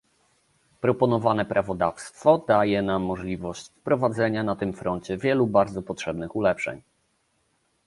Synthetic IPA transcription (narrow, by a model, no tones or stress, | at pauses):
pɾɔpɔnɔvanɛpɾʔavɔd̪afst̪fɔd̪ajɛnamːɔʐlʲivɔɕt͡ɕfpɾɔvad̪zɛɲanat̪ɘmfɾɔnt͡ɕɛvʲjɛlubaɾd̪zɔpɔtʂɛbnɘxulɛpʂɛ̰ɲ